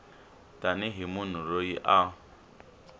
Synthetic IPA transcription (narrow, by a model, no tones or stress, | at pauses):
tʼanɪɦimun̤uɾoiʔa